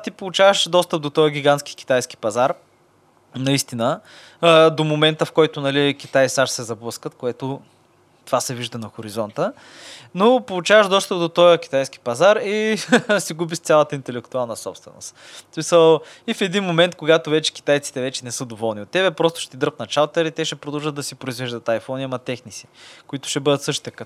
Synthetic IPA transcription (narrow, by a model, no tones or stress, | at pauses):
t̪ipolˠut͡ʃavəʃd̪ɔst̪əp̚d̪ot̪ɔjəɡʲiɡanskʲi̥k̟i̥t̪ajski̥pɐzaɾ | nɐist̪inə | d̪omomɛnt̪əfkɔjt̪ʊnɐlikʲit̪ajsaʃsɛzɐblˠɤskət̪koɛt̪o | t̪ovasɛviʒd̪ɐnɐxoɾizɔnt̪ə | nopolˠut͡ʃavəʃd̪ɔst̪əp̚d̪ot̪ɔjəkʲi̥t̪ajski̥pɐzaɾisiɡubist̪sʲalˠət̪əint̪ɛlɛkt̪ualˠnəsɔpst̪vɛ̰no̰st̪ | smisəlˠifɛd̪inmomɛnt̪koɡat̪ovɛt͡ʃɛ̥kʲi̥t̪ajt̪si̥t̪ɛvɛt͡ʃɛnɛsɤd̪ovɔlˠniot̪ːɛβɛpɾɔst̪ʊ̥ʃɛ̥t̪id̪əɾp̪nɐt͡ʃalˠt̪əɾit̪ɛʃɛpɾod̪ɐlˠʒəd̪ːɐsipɾoizvɛʒd̪ət̪ajfɔniɐmɐt̪ɛxnisi̥kʊit̪ʊ̥ʃɛbɤd̪ət̪sɤʃt̪i̥t̪əkə